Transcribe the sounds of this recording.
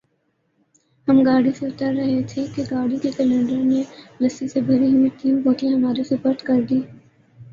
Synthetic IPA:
hɐmɡaːɽiseʊt̪əɾːɐɦet̪ʰekeɡaːɽikekɛlɛ̃ːɳɖəɾnelɐsisebʱɐɾiɦuiʈ̪iːũboːkĩɦɐmaːɾesepɐɾt̪kɐɾd̪iː

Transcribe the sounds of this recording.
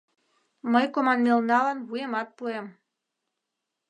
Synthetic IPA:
məjkomɑnmelnɑlɑnβujemɑt̪̚puem

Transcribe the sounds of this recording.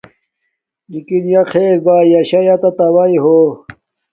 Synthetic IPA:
nikinjɐqʰeːɾbaːjɐɕɐjɐt̪ɐt̪ɐwɐiɦo

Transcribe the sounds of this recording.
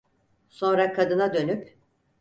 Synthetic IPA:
so̞nɾakʰad̪ɯnad̪ø̞nyp

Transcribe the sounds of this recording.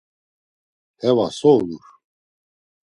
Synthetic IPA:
hɛvasɔɾuɾ

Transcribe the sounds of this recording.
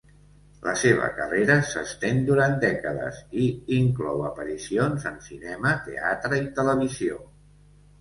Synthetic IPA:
ləseβ̞ə̰kəreɾəsəst̪end̪uɾant̪̚d̪ɛkəðə̰ziiŋklɔwəpəɾisionzənsinɛmət̪ḛat̪ɾəit̪ələβ̞izio

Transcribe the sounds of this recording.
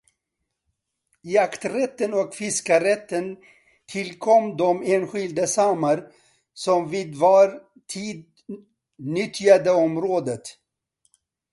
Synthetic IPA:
jakt̪ɾɛt̪ːənɔkfɪskaɾɛt̪ːən | t̪ʰɪlkʰɔmd̪ɔmeːnɧɪld̪əsɑmaɾ | sɔmviːd̪vɑːɾ | t̪ʰiːd̪̚ | nʏt̪ːjad̪əɔmɾoːd̪ət̪

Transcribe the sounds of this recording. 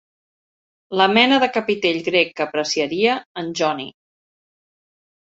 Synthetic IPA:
ləmɛnəðəkəpit̪eʎɣɾekːəpɾəsiəɾiəːnʲʒɔnḭ

